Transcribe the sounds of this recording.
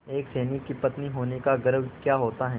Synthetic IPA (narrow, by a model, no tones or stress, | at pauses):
eːkseːnikːipɐt̪niɦoːnekaɡɐɾəʋkjaːɦoːt̪aɦɛː